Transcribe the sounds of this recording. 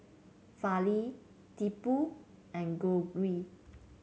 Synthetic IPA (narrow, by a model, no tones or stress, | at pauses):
fali | tipu | ɛ̃nɡoɡwi